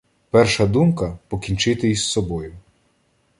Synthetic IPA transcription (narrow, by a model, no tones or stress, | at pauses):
pɛrʃɐd̪umkɐpɔkʲint͡ʃɪt̪ɪjisːɔbɔjʊ